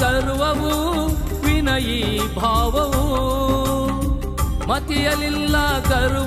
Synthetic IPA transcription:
ɐɾuʋɐʋu | ʋinɐjibʱaːʋɐʋu | mɐt̪ijɐlilːɐkɐɾ

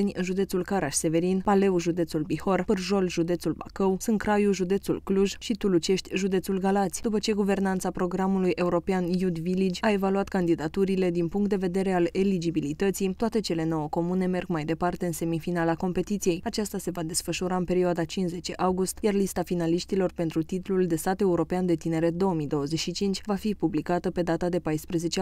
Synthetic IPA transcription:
nʲɨnʒud̪e̞t̪sulkaɾaʃse̞ve̞ɾinpale̞uʒud̪e̞t̪sulbiho̞rpɨrʒo̞lʒud̪e̞t̪sulba̰kəwsɨnkɾajuʒud̪e̞t̪sulkluʒʃit̪ulut͡ʃe̞ʃt̪ʲʒud̪e̞t̪sulɡalat̪sʲd̪upət͡ʃe̞ɡuvernant̪sapɾo̞ɡɾamulujʔe̞uɾo̞peanjud̪vilid͡ʒʲae̞valuat̪kand̪id̪at̪uɾile̞d̪inpuŋkt̪d̪e̞ve̞d̪e̞ɾe̞alelid͡ʒibilit̪ət̪sit̪oat̪e̞t͡ʃe̞le̞no̞wəko̞mune̞me̞rɡmajd̪e̞part̪e̞ɨnse̞mifinalako̞mpe̞t̪it̪sije̞jat͡ʃast̪ase̞vad̪e̞sfəʃuɾaɨnpe̞ɾioad̪at͡ʃinze̞t͡ʃe̞ʔawɡust̪jarlist̪afinaliʃt̪ilo̞rpe̞nt̪ɾut̪it̪luld̪e̞st̪at̪e̞uɾo̞peand̪e̞t̪ine̞ɾe̞t̪̚d̪o̞oəmid̪o̞wəzeʃit͡ʃint͡ʃʲvafipublikat̪əpe̞d̪at̪ad̪e̞pajspɾeze̞t͡ʃe

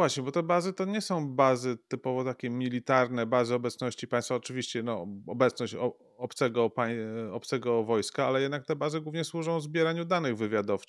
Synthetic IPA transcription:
vwaɕɲɛbɔt̪ɛbazɘt̪ɔɲɛsɔ̃w̃bazɘt̪ɘpɔvɔt̪akʲɛmʲilʲit̪aɾnɛbazɘɔbɛt̪snɔɕt͡ɕipaj̃st̪faɔt͡ʂɘvʲiɕt͡ɕɛnɔɔbɛt̪snɔɕt͡ɕɔ | ɔpt̪sɛɡɔpaj̃ɔp̚t̪sɛɡɔvɔjskaalɛjɛd̪nak̚t̪ɛbazɘɡwuvɲɛswuʐɔ̃w̃vzbʲjɛɾaɲud̪anɘɣvɘvʲjad̪ɔf

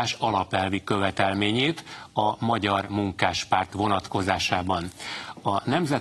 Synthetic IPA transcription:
ʃɒlɒpɛlvikø̞vɛt̪ɛlmeːɲeːt̪ɒmɒɟɒrmuŋkaːʃpaːrt̪ʋo̞nɒt̪ko̞zaːʃaːbɒnɒnɛmzɛ

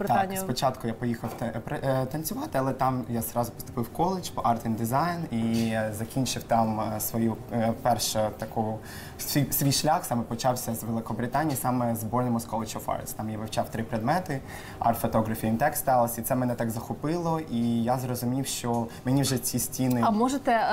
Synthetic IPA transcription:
bt̪ɑkspɔt͡ʃɑt̪kʊjapɔjixɐwt̪pɾɛt̪ɐnʲt͡sʲʊʋɑt̪ɪɐlˠɛt̪ɑmjazɾɑzʊpɔst̪ʊ̥pɪwkɔlˠɪt͡ʃpɔʔɑrt̪ʋʲind̪ɪzɑjnizɐkʲinʲt͡ʃɪwt̪ɑmsʋɔjupɛrʃɛt̪ɐku | sʲijsʲʋʲijʃlʲaxsɑmɛpɔt͡ʃɑwsʲɐzʋelˠɪkɔbɾɪt̪ɑnʲijisɑmɛzbɔrnɔmʊskɔlˠɪt͡ʃɔfɑ̰rst̪ɑmjaʋɪwt͡ʃɑwt̪ɾɪpɾed̪mɛt̪ɪ | ɑ̰rt̪fɔt̪ɔɣɾɐfʲijimt̪ɛkst̪ɑlˠɐsʲit̪sɛmɛnɛt̪ɑɡzɐxɔpɪlˠɔijazrɔzʊmʲiwʃt͡ʃɔmenʲiwʒɛt͡sʲisʲtʲinɪɐmɔʒet̪ɛ

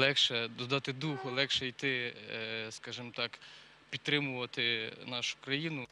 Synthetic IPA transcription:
lˠɛkʃɛd̪ɔd̪ɑt̪ɪd̪uhʊlˠɛkʃɛjt̪ɪ | skɑʒɪmt̪ɑk | pʲit̪t̪ːɾɪmʊʋɐt̪ɪnɑʃʊ̥kɾɐjinʊ

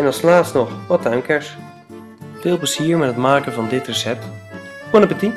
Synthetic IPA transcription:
ɛnɑlˠslaːtstnɔχʋɔt̚aɥmkɛɹs | fɪːlˠpləziːɹmɛtɦətmaːkəvɑndɪtrəsɛp̚t | kɔnəpəti

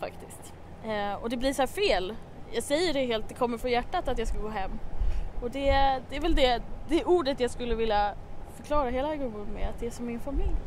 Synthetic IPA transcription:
fa̰kt̪ɪst̪ | ɔd̪ɛbliɾʂɔhæːfeːl | jɑːɡsɛjːəɖɛɦeːlt̪̚d̪ɛkʰɔmːəɾfɾɔnjæʈːat̪at̪jɑːskalɡoːɦɛmːɔd̪ɛd̪ɛːɾvɛld̪ɛd̪ɛʔuːɖət̪jɑːɡskɵlːəvɪlːafœɾkʰlɑːɾaɦeːlaæɾɡɵmud̪mɛat̪̚d̪ɛæʂɔmːɪnfamɪlj

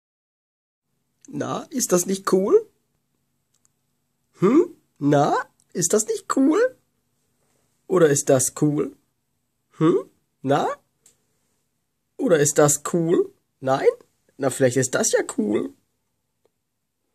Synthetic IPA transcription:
na̰ʔɪstd̥asnɪçt̚kʰuːl | hm̩ | na | ʔɪst̚d̥asnɪçt̚kʰuːl | ʔoːɾɐɪst̚d̥askʰuːl | hm̩ | na | ʔoːɾɐɪst̚d̥askʰuːl | naɪn | nafɪlaɪçtɪst̚d̥asjaːkʰuːl

